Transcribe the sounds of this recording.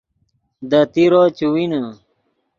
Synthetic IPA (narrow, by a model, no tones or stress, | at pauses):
d̪ɐt̪iɾot͡ɕuwinɐ